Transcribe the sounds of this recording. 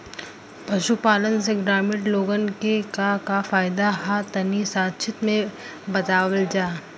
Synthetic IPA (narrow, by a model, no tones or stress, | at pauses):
pɐʃupaːlənseɡɾaːmɪʈloːɡənkekakafaːɪd̪aɦat̪ɐnisaːt̪ʃʰɪt̪mẽbɐt̪aːwəld͡ʒaː